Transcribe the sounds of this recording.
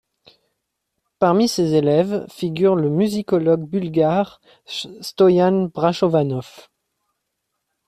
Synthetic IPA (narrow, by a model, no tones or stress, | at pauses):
paʁmisezelɛvfiɡʲyʁləmyzikɔlɔɡ̚bylɡaʁ | st̪ɔjanbʁaʃɔvanɔf